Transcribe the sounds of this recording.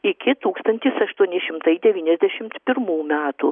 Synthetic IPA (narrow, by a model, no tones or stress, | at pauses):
ɪkʲɪt̪uːkst̪ɐnʲt̪ʲɪsɐʃt̪uɔnʲɪʃʲɪmt̪ɐɪd̪ʲɛʋʲiːnʲɛzʲd̪ʲæʃʲɪmt̪pʲɪɾmuːmʲæːt̪u